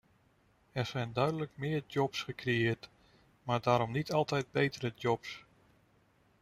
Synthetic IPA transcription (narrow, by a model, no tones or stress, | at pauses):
ɛɹz̥ɛjndœɥdələkmɪːɹdɔpsχəkrejɪːɹt | maːɹdaːɾɔmnitʰɑlˠtɛjd̚bejtəɾədɔps